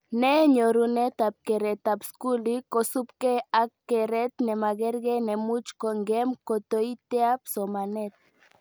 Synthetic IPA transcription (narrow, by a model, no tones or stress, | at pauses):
neɲoɾunet̪ap̚keɾet̪apskulikosup̚keakːeɾet̪nemaɣeɾɡenemut͡ʃkoŋɡemkot̪ojt̪eapsomanet̪̚